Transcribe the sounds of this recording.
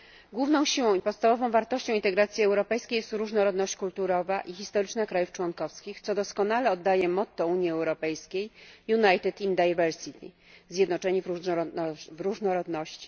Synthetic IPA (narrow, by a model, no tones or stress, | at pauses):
ɡwuvnɔ̃w̃ɕiwɔ̃w̃ipɔt̪st̪avɔvɔ̃w̃vaɾt̪ɔɕt͡ɕɔ̃int̪ɛɡɾat̪sʲjiɛwɾɔpɛjskʲejɛst̪ɾuʐnɔɾɔd̪nɔɕt͡ɕkult̪uɾɔvaʔixʲist̪ɔɾɘt͡ʂnakɾajuft͡ʂwɔnkɔfskʲixt̪sɔd̪ɔskɔnalɛɔd̪ːajɛmɔt̪ːɔuɲiɛwɾɔpɛjskʲejjunajt̪ɛt̪ind̪ajvɛɾsit̪ḭ | zʲjɛd̪nɔt͡ʂɛɲiv | vɾuʐnɔɾɔd̪nɔɕt͡ɕi̥